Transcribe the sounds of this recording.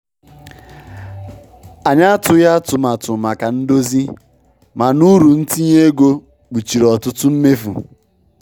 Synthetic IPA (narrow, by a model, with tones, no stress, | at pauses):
a˨ɲa˦a˦tʊ˨ja˦tʊ˨ma˨tʊ˨ma˨ka˨n̩˦do˦zi˦ | ma˨nu˦ɾu˨n̩˦ti˦ɲe˦ɡo˦ | k͡pu˨t͡ʃi˨ɾɔ˨tʊ˦tʊ˦m̩˦me˦fṵ˨